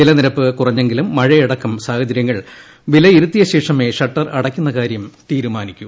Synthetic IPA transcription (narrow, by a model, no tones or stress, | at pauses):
ʋilɐniɾɐpːɨkurɐɲːe̞ŋɡilumːɐɻɐjiɽɐkːɐmsaːhɐd͡ʑɐɾjɐŋːɐɭ | ʋilɐiɾut̪ːijɐɕe̞ːʂɐme̞ʂɐʈːɐrɐɽɐkʲːunːɐkaːɾjɐmt̪iːɾumaːnikʲːu